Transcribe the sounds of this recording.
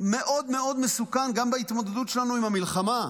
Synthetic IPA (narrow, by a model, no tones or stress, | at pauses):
me̞ʔo̞d̪me̞o̞d̪me̞sukanɡambeit̪mo̞d̪ed̪ut̪ʃelanuimamilχama